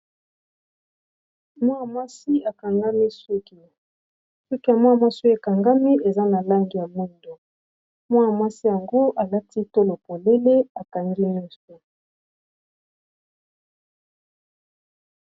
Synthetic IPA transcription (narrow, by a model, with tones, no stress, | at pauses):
mwa˦ja˨mwa˦si˦a˨ka˨ŋɡa˦mi˦su˦ki˨ | su˦ki˦ja˨mwa˦a˨mwa˦su˦e˨ka˨ŋɡa˦mi˦e˨za˦na˨la˦ŋɡi˨ja˨mu˦ndo˨ | mwa˦ja˨mwa˦si˦ja˨ŋɡo˦ʔa˨la˦ti˦to˦lo˨po˨le˦le˦a˨ka˨ŋɡi˦ɲɔ˦so˨